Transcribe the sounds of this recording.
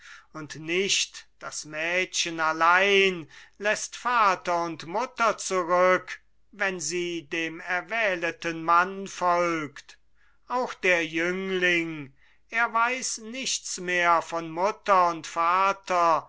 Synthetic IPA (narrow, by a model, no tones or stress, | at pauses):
ʊntnɪʃtd̥asmɛːʃənalaɪnlɛstfaːtɐʊntmʊtɐt͡suʁʏk | vɛnziːdeːmɛɐvɛːlətənmanfɔlkt | ʔaʊxd̥eːɐjʏŋlɪŋ | ʔeːɐvaɪsnɪçtt͡smeːɐfɔnmʊtɐʊntfaːtʰɐ